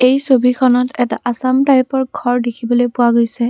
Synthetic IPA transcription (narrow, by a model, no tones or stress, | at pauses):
ejsobikʰɔnɔtɛta̰ʔasamtajpɔɹɡʱɔɹdekʰibɔlojpʊwaɡojsɛ